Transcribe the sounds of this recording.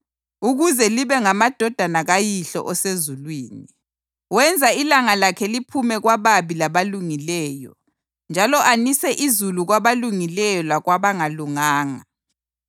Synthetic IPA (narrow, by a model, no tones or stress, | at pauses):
uɣuzɛliβɛŋamad̥ʱɔd̥ʱanaɣajiɬɔ̰ʔɔsezulwiːni | wɛnd͡zʱailaŋalakʰɛlipʰumɛɣwaβaβilaβaluŋilɛːjɔ̰ | nd͡ʒʱalɔʔanisɛʔizuluɣwaβaluŋilɛjɔlaɣwaβaŋaluŋaːŋa̰